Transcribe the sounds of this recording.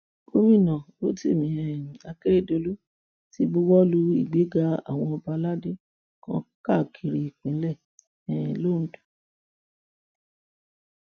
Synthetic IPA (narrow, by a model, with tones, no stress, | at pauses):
o˦mĩ˦˨nã˨ | o˦ti˦˨mĩ˨˦ɛ̃˨a˧ke˦ɾe˦˨do˧lu˦ | ti˦bu˦wɔ˦lu˨˦i˦˨ɡ͡be˨˦ɡa˦a̰˦˨w̃ɔ̃˧ɔ˧ba˧la˦de˦ | kã̰˧˦ka˦˨kʰi˨ɾi˧i˨k͡pĩ˨˦lɛ˦˨ | ɛ̃˨lo˦˨n̩˦du̥˨